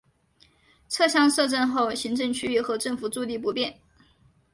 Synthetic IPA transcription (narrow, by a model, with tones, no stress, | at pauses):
t͡sʰɤ˥˧ɕjɑ˥ŋʂɤ˥˧ʈ͡ʂə˥˧nxo˥˩ʊɕi˧˥ŋʈ͡ʂɤ˥˧ŋt͡ɕʰy˥y˥˩xɤ˧˥ʈ͡ʂɤ˥˩ŋfu˨˩t͡su˥˧t̪i˥˩p̬u˧˥pjɛ˥˩n